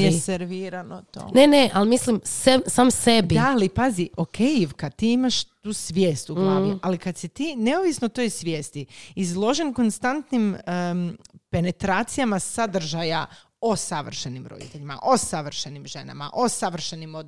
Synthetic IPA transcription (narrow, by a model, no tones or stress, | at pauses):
jeseɾʋiːɾanot̪o̰ːneneʔalmislimsesaːmsedbid̪alipaziʔo̞kʰejiʋkad̪t̪iːimaʃt̪uːsʋjeːst̪uɡlˠaːʋualikad̪sit̪iːne̞oʋisnot̪o̞jsʋʲje̞ːst̪iizlˠo̞ʒe̞nko̞nst̪ant̪nim | pe̞ne̞t̪ɾaːt̪sijamasad̪r̩ʒaja | osaʋr̩ʃenimɾod̪ḭt̪e̞ʎima̰ʔo̞saʋr̩ʃenimʒe̞na̰ma̰ʔo̞saʋr̩ʃenimo